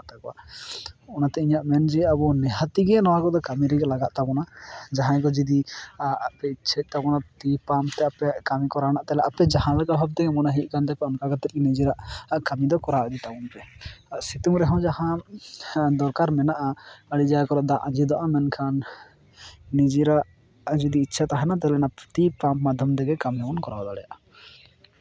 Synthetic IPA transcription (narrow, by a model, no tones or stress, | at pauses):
t̪akɔwa̰ | ɔnat̪ɛiɲaʔmɛnd͡ʒɛabɔnɛɦat̪iɡɛnɔwakɔd̪ɔkamiɾɛɡɛlaɡaʔ̪̚t̪abɔnad͡ʒaɦãkɔd͡ʒid̪iapɛt͡ʃʰɛc̪̚ˀt̪abɔnat̪ipamt̪ɛapɛkamikɔɾanaʔt̪ɛlɛʔapɛd͡ʒaɦãləkabʱab̚t̪ɛɡɛmɔnaɦiʔ̪̚ˀkant̪ɛapɛɔnkaɡat̪ɛt̪̚kɛnid͡ʒɛɾaʔkamid̪ɔkɔɾaʔd̪it̪abɔnpɛsit̪uŋɾɛɦɔ̃wd͡ʒahã | d̪ɔɾkaɾmɛnaʔaəɽid͡ʒakɔɾɔʔd̪ãʔad͡ʒid̪ɔʔamɛnkʰan | id͡ʒiɾaʔ | d͡ʒid̪iːtːʃʰat̪aɦɛnat̪ɛlɛnapt̪ipammad̪ʱjɔmd̪ɛɡɛkamjamɔnkɔɾbad̪ɔɽɛja̰ʔ